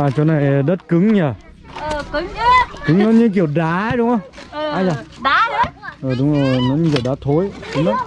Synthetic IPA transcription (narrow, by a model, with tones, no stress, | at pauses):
aː˨˩t͡ɕɔ˧na˨˩jɗə˦˥t̚kɨ˨˦ŋɲəː˨˩ | ə˨˩kɨ˨˦ŋ˨˦kɨ˨˦ŋnɔ˨˦ɲɨ˧k̬i˧˩əwɗaː˨˦˨ɗʊ˨˦wŋ͡mhə˧˦waː˨˧˦za˨˧˩ɗa˨˦˨ʔəː˨˩ɗʊ˨˦ŋ͡mzo˨˩jnɔ˨˦ɲɨ˧ki˧˩wɗaː˨˦t̪ʰo˨˦jɗʊ˨˦ə˦